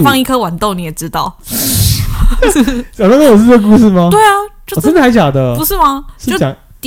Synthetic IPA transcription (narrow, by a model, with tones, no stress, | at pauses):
fɑ˥˧ŋi˥˧kʰɤ˥wa˨˩nt̪o˥˨ʊni˨˦˥jɛ˨˩ʈ͡ʂɻ̩˦˥t̪ɑ˥˩ʊ˥ | t͡ɕɑ˨˩t̪ɑ˥kə˥wɔ˨˩˥t͡sə˥ɡə˧k̬u˥˧ʂɻ̩˥˩ma˨we˥˩ɪɐ˩t͡ɕjo˥˧ɔ˨˩ə˥nd̪ə˩a˧˥ɪt͡ɕjɑ˨˩d̪ə˦pu˧ʂɻ̩˥˩ma˨˥o˥˧ɑ˨˦ŋ | t̪